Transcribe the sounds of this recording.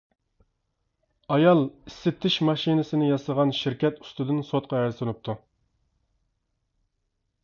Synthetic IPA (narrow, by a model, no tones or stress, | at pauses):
ɑjɑlˠisːɪt̪ʰːɪʃmɑʃinɪsɪnɪjɑsəʁɑnʃiɾkʲɛt̪u̥st̪ɨd̪ɨnsot̪̚qʰɑæɾɪsɪnup̚t̪ʰu